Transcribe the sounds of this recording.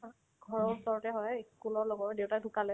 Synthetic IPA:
ɡʱɔɹɔɹusɔɹɔtɛɦɔjeskulɔɹlɔɡɔɹdewtadʱukalɛ

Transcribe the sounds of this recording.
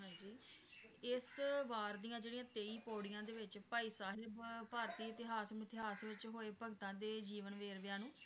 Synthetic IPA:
d͡ʒiː | ɪsʋaːɾd̪ijãːd͡ʒeːɽijãːt̪eːiːpoːɽɪjãːd̪eːʋɪt͡ʃpaːiːsaːɦeːpaːɾt̪iːɪt̪ɪɦaːsmɪt̪ɪɦaːsʋɪt͡ʃɦoːeːpəɡt̪ãːd̪eːd͡ʒiːʋənʋeːɾʋɪjãːnũː

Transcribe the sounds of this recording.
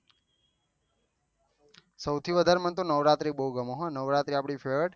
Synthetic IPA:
səwt̪ʰiʋəd̪ʱaɾemənt̪onəʋɾat̪ɾibəɦuɡəmoɦɔnəʋɾat̪ɾiapɽ̃ifʰeʋəʈ

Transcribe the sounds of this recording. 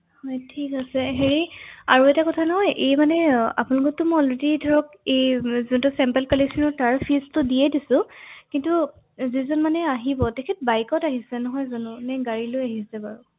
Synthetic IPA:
hɔjtʰikasɛɦeɹia̰ɹuɛtakɔtʰanɔɦɔjʔejmanɛa̰pʊnlʊkɔtːʊmɔjɔlɹedidʱɔɹɔk | ejzuntusɛmpɛlkɔlesɔnɔtaɹpʰistʊdijɛdisʊ̃kintu | zizɔnmanɛaɦibɔtɛkʰɛt̚bajkɔtaɦisɛnɔɦɔjzɔnʊnɛɡaɹilojaɦisɛbaɹʊ

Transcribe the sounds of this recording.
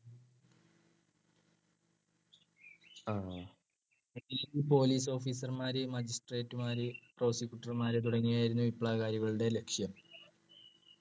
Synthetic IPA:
a | eniliipo̞ːliːso̞ːfiːsɐrmaːɾemɐd͡ʑisʈre̞ːtːumaːɾepro̞ːsikʲjuʈːɐrmaːɾet̪uɽɐŋːijaːjiɾunːuʋipːɭaːɣaːɾjuɣɐɭuɽe̞le̞kʂjɐm

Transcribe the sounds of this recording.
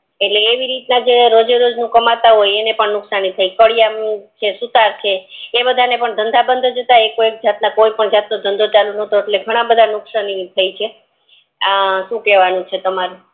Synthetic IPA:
eʈleːʋiɾit̪nad͡ʒeɾod͡ʒeɾod͡ʒnũkəmat̪aɦojenepəɳnʊksanit̪ʰəjkəɭjat͡ʃʰesut̪aɾt͡ʃʰeːbəd̪ʱanepəɳd̪ʱənd̪ʱabənd̪ʱod͡ʒət̪aekoek̚d͡ʒat̪nakojpəɳd͡ʒat̪nod̪ʱənd̪ʱot͡ʃalunət̪oeʈleɡʱəɽ̃ãbəd̪ʱanʊksənit̪ʰəjt͡ʃʰe | ʃũkɛʋanũt͡ʃʰet̪əmaɾu

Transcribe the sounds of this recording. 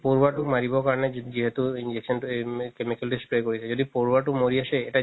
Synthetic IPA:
poɾbaʈumaɾibɔkaɾɔned͡ʒiɦet̪uind͡ʒeksɔnʈukemikəlʈisʈpɾekoɾit͡ʃʰed͡ʒod̪ipoɾbaʈumoɾiaseːʈa

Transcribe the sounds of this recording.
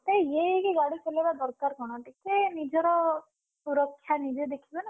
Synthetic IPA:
t̪ejjekeɡaɽit͡ʃelebad̪ɔɾkaɾkɔɽ̃ɔʈikenid͡ʒɔɾɔ | suɾɔkʰːjanid͡ʒed̪ekʰibɔne

